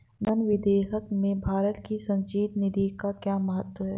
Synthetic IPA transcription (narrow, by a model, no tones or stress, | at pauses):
nənʋɪd̪eːɦəkmẽbʱaːɾət̪kisɐ̃ɲd͡ʒiːt̪nɪd̪ikakjaːməɦət̪wəɦɛː